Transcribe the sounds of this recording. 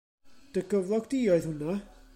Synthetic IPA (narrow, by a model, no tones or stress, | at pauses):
d̥əɡəvlˠɔɡd̥iːɔɨðhʊna